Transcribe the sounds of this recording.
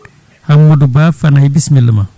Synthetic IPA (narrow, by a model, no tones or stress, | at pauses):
aŋodubafanaibismiləma